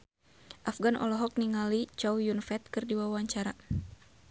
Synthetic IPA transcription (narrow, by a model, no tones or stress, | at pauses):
ʔafɡanʔɔ̰lɔɦɔk̚niŋalit͡ʃawjunfɛt̪̚kɨrdiwawaɲt͡ʃaɾa